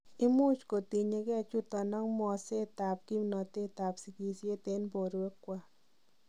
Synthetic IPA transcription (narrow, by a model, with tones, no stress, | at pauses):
i˦mu˦t͡ʃko˨t̪i˨ɲe˧kɛ˦t͡ʃu˦t̪ɔ˨nɔ˦ŋmɔ˧se˦t̪a˨p̚ki˦mnɔ˨t̪e˦t̪a˨psi˧ki˧sje˦t̪e˦npo˨ɾwe˦kːwa˦